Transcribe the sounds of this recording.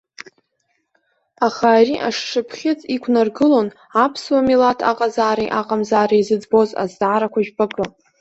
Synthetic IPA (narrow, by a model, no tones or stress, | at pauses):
aχaːɾiʔaʂʂɨpʰχʲɪt͡sʼikʷʰnarɡɨlo̞n | apʰswamilatʰa̰qʼazaːɾajʔaqʼamzaːɾaizɨd͡zbo̞za̰zdʕaɾakʷʰaʒᶣbakʼɨ